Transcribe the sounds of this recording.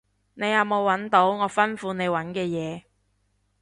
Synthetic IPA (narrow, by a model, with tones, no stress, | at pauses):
ne˨˧jɐ˨˧wmo˨˧wːɐ˨˥nt̪o˨˥wŋɔː˨˧fɐ˥nfuː˨˧ne˨˧jwɐ˨˥nkɛː˧jɛː˨˧